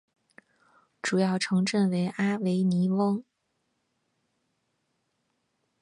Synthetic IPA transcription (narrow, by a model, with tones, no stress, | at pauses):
ʈ͡ʂu˨˩jɑ˥˩ʊʈ͡ʂʰɤ˧˥ŋʈ͡ʂə˥˩nwe˧˥ɪʔa˥we˧˥ɪni˧˥wɤ˥ŋ